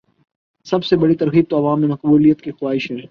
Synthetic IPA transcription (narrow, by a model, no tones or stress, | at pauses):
sɐbsebɐɽit̪ɐɾɣiːb̚t̪oɐʋaːmːẽmɐqbuːlijət̪kixwaːɪʃɦɛ̃ː